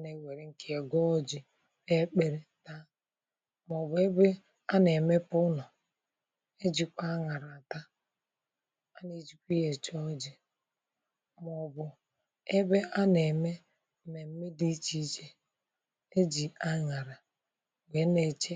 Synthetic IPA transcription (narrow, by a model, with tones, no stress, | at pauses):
ne˨we˨ɾe˨ŋ̩˦kʰe˦e˨ɡɔ˦d͡ʒɪ˨ | e˦k͡pe˨ɾe˨ta˦ | m˨ɔ˨bʊ˨e˦be˦ | a˦ne˨me˦pʊ˦nɔ˨ | e˦d͡ʒi˨kʷa˦ŋa˨ɾa˨ta˦ | a˦ne˨d͡ʒi˦kʷi˦je˨t͡ʃɔ˦d͡ʒɪ˨ | m˨ɔ˨bʊ˨ | e˦be˦a˦ne˨me˦ | me˨m̩˦me˦di˦t͡ʃi˦t͡ʃe˦ | e˦d͡ʒi˨a˦ŋa˨ɾa˨ | ɡe˨˦ne˨t͡ʃe˦